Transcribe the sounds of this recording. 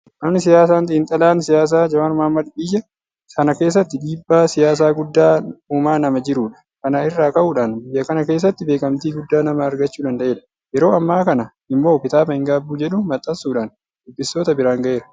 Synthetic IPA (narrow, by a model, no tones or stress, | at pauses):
ʔɐmnɪsɪjaːs̬aːnt̪iːnt̪ʼɐlaːnsɪjaːs̬aːd͡ʒɐwaːnmɐhɐmːɐd̪biːjɛ | sɐnɐke̞ːs̬ːɐt̪ːɪᶑiːbːaːsɪjaːs̬aːɡʊd̪ːaːuːmaːnɐmɐd͡ʒɪɾuːᶑɐ̥ | kɐnaːɪrːaːkɐʔuːᶑaːnbɪjːɐkɐnɐkeːs̬ːɐt̪ːɪbe̞ːkʼɐmt̪iːɡʊd̪ːaːnɐmɐːɾɡɐt͡ʃːuːᶑ̪ɐnd̪ɐʔe̞ːᶑɐ̥ | jɛɾo̞ːɐmːaːkɐnɐ | ɪmːo̞ːpɪt̪aːbɐhɪŋɡaːbuːd͡ʒɛɗʊmɐt̪ʼːɐsuːᶑaːn | d̪ʊbːɪso̞ːt̪ɐbɪɾaːŋɡɐʔe̞ːɾɐ